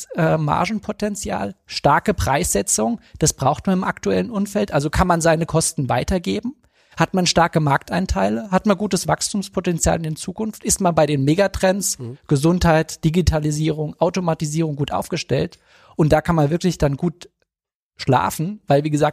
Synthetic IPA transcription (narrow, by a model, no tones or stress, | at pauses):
ʔɛːma̰ɐʒn̩pʰotɛnt͡sja̰ːlʃtaɐkəpʁ̥a̰ɪsz̥ɛt͡sʊŋd̥asb̥ʁaʊxtmanɪmʔaktuɛlənʔʊmfɛltʔalzokʰanmanzaɪnəkʰɔstn̩va̰ɪtɐɡeːbm̩ | hatmanʃtaɐkəmaɐk̚taɪntʰaɪləɦatmanɡuːtəsv̥akstʰuːmspʰotɛnt͡sja̰ːlɪndeːt͡suːkʊnftʔɪstmanbaɪɾeːnmeːɡatʁ̥ɛnsɡ̥əzʊnthaɪtd̥iɡitʰaliziːʁ̞ʊŋʔaʊtomatiziːʁ̞ʊŋɡuːtʔa̰ʊfɡ̥əʃtɛ̰lt | ʔʊnt̚d̥aːkʰanmanvɪɐklɪçd̥anɡuːt | ʃla̰ːfn̩vaɪlviːɡəzaːk̚